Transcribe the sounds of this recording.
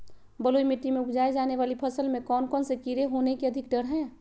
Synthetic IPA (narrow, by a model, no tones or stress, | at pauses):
bɐloːimɪʈːimẽʊpd͡ʒaːed͡ʒaːneʋaːlipʰɐsəlmẽkɔːnkɔːnsekiɾeɦoːnekeɐd̪ʱɪk̚ɖəɾɦɛ̃ː